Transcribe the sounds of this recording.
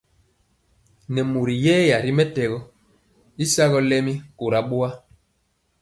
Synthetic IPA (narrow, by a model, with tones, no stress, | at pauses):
nɛ˨mu˨ɾi˨jɛː˦ja˨ɾi˦mɛ˦tɛ˨ɣɔ˦ | i˦sa˦ɣɔ˨˦lɛ˦mi˦ko˨ɾa˨ɓo˦a˦